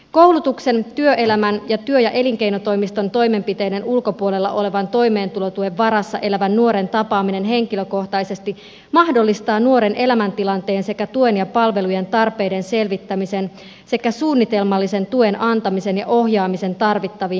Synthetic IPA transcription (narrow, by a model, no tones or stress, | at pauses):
ko̞wlut̪ukse̞nt̪yøʔe̞læmænjɑt̪yøjɑʔe̞liŋk̟e̞jnot̪o̞jmist̪ont̪o̞jme̞mpit̪e̞jde̞nulko̞puole̞lːɑ̰ʔo̞le̞ʋɑnt̪o̞jme̞ːnt̪ulo̞t̪ueʋːɑɾɑsːɑ̰ʔe̞læʋænːuo̞ɾe̞nt̪ɑpɑːmine̞nɦe̞ŋk̟iløko̞ht̪ɑjse̞st̪i | mɑhdo̞lːist̪ɑːnuo̞ɾe̞ne̞læmænt̪ilɑnt̪e̞ːnse̞kæt̪ue̞njɑpɑlʋe̞lujent̪ɑrpe̞jde̞nse̞lʋit̪ːæmise̞n | se̞kːæsuːnːit̪e̞lmɑlːise̞nt̪uenʔɑnt̪ɑmisenjɑʔo̞ɦjɑːmise̞nt̪ɑrʋit̪ːɑʋiː